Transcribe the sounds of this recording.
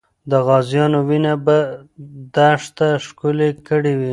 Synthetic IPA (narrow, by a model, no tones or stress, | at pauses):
d̪əɣɑzjɑnowinabad̪aʂt̪aʃkulekəɽiwi